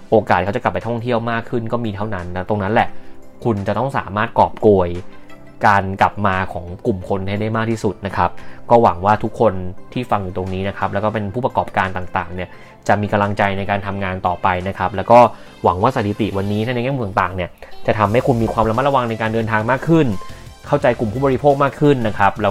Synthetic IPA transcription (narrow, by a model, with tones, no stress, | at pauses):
ʔoː˧kaː˨˩t̪̚kʰa˦˥t͡ɕka˨˩pːa˧jt̪ʰɔ˥˩ŋt̪ʰi˥˩əwmaː˥˩kʰɯ˥˩nkɔː˥˩miː˧t̪ʰa˥˩wna˦˥nt̪ɛ˦˥wt̪o˧ŋna˦˥nlɛ˨˩ʔkʰu˧nt͡ɕa˨˩t̪ɔ˥˩ŋsaː˩˦maː˥˩t̪̚kɔː˨˩p̚koː˧əj | kaː˧nka˨˩p̚maː˧kʰɔː˩˦ŋku˨˩mkʰo˧nha˥˩jda˥˩jmaː˥˩k̪̚ʰiː˥˩su˨˩t̪̚na˦˥kʰa˦˥p̚kɔː˥˩wa˩˦ŋwaː˥˩t̪ʰu˦˥kʰːo˧nt̪ʰiː˥˩fa˧ŋjuː˨˩t̪o˧ŋniː˦˥na˦˥kʰa˦˥p̚lɛ˦˥wkɔː˥˩pe˧npʰuː˥˩pa˧kɔː˨˩p̚kaː˧nt̪aː˨˩ŋt̪a̰ː˨˩ŋni˥˩ɐ | t͡ɕa˨˩ʔmiː˧ka˧mla˧ŋt͡ɕa˧jna˧jkaː˧nt̪ʰa˧mŋaː˧nt̪ɔː˨˩pa˧jna˦˥kʰa˦˥p̚lɛː˦˥wkɔː˥˩ | wa˨˩˦ŋwaː˥˩sa˨˦˩t̪ʰi˨˧t̪i˨˩wa˧nːiː˦˥t̪ʰa˥˩na˧jŋɛː˥˩mu˧˩a˨˩t̪aː˨˩ŋni˥˩ɐt͡ɕa˨˩t̪ʰa˧mha˥˩jkʰu˧nmiː˧kʰwaː˧mla˧ma˦˥t̚a˧wa˧ŋna˧jkaː˧ndɤː˧nt̪ʰaː˧ŋmaː˥˩kʰːɯ˥˩n | kʰa˥˩wt͡ɕa˧jku˨˩mpʰuː˥˩bɔ˧ɾi˦˥pʰoː˥˩k̚maː˥˩kʰːɯ˥˩nːa˦˥kʰa˦˥p̚lɛː˦˥